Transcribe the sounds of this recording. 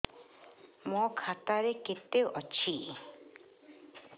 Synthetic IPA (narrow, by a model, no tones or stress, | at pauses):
mɔkʰat̪aɾeket̪eʔɔt͡ʃʰi